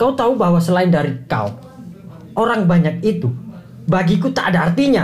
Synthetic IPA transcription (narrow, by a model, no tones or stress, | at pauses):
kaut̪aubaɦwasəlaɪndaɾika̰u | ʔoɾaŋbaɲak̚it̪u | baɡikut̪a̰adaːrt̪iɲa